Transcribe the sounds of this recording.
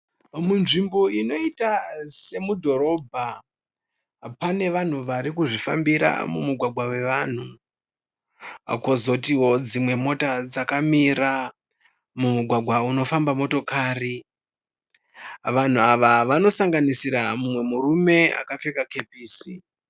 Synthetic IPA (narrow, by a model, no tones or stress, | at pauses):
munʐimbo̞ino̞itase̞mudʱo̞ɾo̞bʱa | pane̞ʋan̤uʋaɾikuʐifa̰mbiɾa̰mumuɡʱwaɡʱwawe̞ʋan̤u | akozo̞tiwo̞d͡zimwe̞mo̞tad͡zakamiɾa | mumuɡʱwaɡʱwauno̞fambamo̞to̞kaːri | ʋan̤uaʋaʋano̞saŋɡanisiɾamumwe̞muɾume̞a̰kafekake̞piːsi